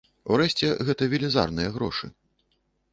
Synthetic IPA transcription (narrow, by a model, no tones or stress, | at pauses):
uɾɛɕʲt͡sʲɛɣɛt̪ɐvʲilʲiza̰rnɨjɐɣɾɔ̰ʂɨ̰